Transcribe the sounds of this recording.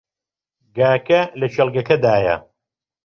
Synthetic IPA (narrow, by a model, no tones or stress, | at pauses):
ɡaːkɐlɐʃɐlˠɡɐkɐd̪aːjɐ̰